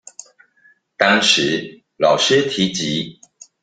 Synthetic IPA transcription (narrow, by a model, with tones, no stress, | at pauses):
t̪ɑ˥ŋʂɻ̩˨˦ | lɑ˨˩ʊʂɻ̩˥t̪ʰi˨˦t͡ɕi˨˦